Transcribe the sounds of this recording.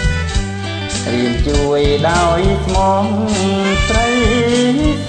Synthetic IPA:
riənt͡ɕuəjɗaɔjk̪ʰmɔːŋsrəj

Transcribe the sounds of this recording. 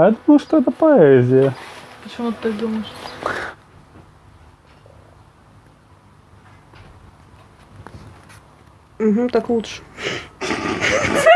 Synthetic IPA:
jad̪uməjʊʂt̪oɛt̪əpɐɛzʲɪjəpət͡ɕɪmut̪t̪ːakd̪uməʂ | m̩ɦm̩t̪aklˠutʂə̥

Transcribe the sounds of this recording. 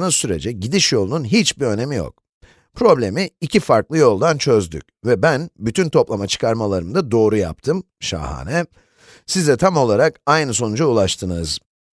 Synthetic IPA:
nɯsyɾe̞̰d͡ʒɛɟid̪iʃjo̞lˠununɦit͡ʃbiø̞ne̞mijo̰k̚ | pʰɾo̞blʲe̞miicʰifaɾklˠɯjo̞lˠd̪ant͡ʃʰø̞zd̪y̰c̚vɛbænbyt̪ʰynt̪ʰo̞plˠamat͡ʃʰɯ̥kʰaɾmalˠaɾɯmd̪ad̪o̞ːɾuja̰pt̪ʰɯm | ʃa̰ːha̰ːnɛ | sizd̪ɛt̪ʰamo̞lˠaɾakajnɯso̞nud͡ʒaulˠaʃt̪ʰɯnɯz̥

